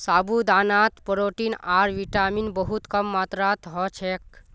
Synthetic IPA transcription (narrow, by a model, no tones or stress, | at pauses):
saːbud̪aːnat̪pəɾoːʈinaːɾʋiʈaːminbəɦut̪kəmːat̪ɾat̪ɦɔt͡ʃʰek